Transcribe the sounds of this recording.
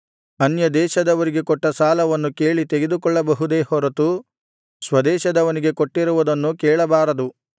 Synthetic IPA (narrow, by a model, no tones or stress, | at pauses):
ɐnjɐd̪ɛːʃɐd̪ɐʋɐɾiɡe̞kɔʈːɐsaːlɐʋɐnːuke̞ːɭit̪eɡe̞d̪ukɔɭːɐbɐɦud̪e̞ːhɔɾɐt̪u | sʋɐd̪ɛːʃɐd̪ɐʋɐniɡe̞koʈːiɾuʋud̪ɐnːukeːɭɐbaːɾɐd̪u